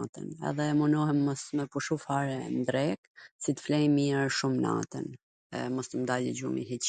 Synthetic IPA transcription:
t̪ə̰nɛ̰ðɛmunɔhɛmːɔsmɛpuʃufaɾɛnd̪ɾɛk̚sit̪ə̥flɛjmiɾʃumna̰t̪ə̰n | ɛmɔst̪əmd̪alḭd͡ʑumḭɦit͡ɕ

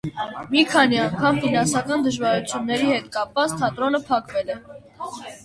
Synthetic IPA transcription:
mikʰɑniɑŋkʰɑmfinɑnsɑkɑnd̪əʒvɑɾut͡sʰjunːɛɾihɛt̪kɑpvɑt͡st̪ʰɑt̪ɾɔnəpʰɑkvɛlɛ

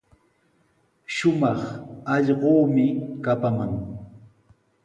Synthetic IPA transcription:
ʃʊmɑχɑʎɢoːmɪkapamaŋ

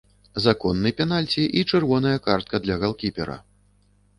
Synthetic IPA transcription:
zakɔnːɨpʲɛnalʲt͡sʲiʔit͡ʂɨrvɔn̪ɐjɐkart̪̚kʰɐd̪lʲɐɣalˠkʲipʲɛɾɐ̰

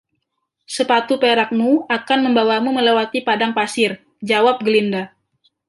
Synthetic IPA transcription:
səpat̪upeɾak̚muakanməmbawamuməlewat̪ipadaŋpasɪr | d͡ʒawap̚ɡəlinda

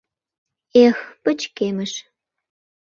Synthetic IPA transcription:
expət͡ɕkemə̆ʃ

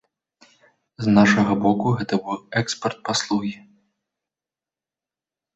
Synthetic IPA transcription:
znaʂɐɣɐbɔkuɣɛt̪ɐbɨwɛkspɐrt̪̚paslˠuɣʲi

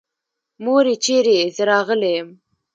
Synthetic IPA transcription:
moɾet͡ʃeɾeezəɾɑɣəlejəm

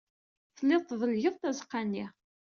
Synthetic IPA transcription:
θəlːɪðtˤːðˤəlʝəðˤt̪æzqːanːi

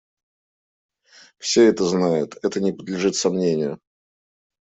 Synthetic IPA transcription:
fsʲeɛt̪əznajʊt̪ɛt̪ənʲɪpəd̪lʲɪʐɨt̪sɐmnʲenʲɪjʊ̰

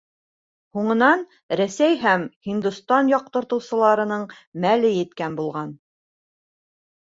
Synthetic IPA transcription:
huɴɤ̆nɑn | ɾæsæjɦæmhind̪ust̪ɑnjɒq̚t̪ɤ̆ɾt̪ɤ̆wsɤ̆lˠɑɾɤ̆nɤɴ | mælɘjɘ̆t̪kænbulˠʁɑn

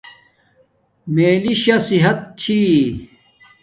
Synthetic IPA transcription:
meːliɕɐsiɦɐt̪̚t͡ɕʰi

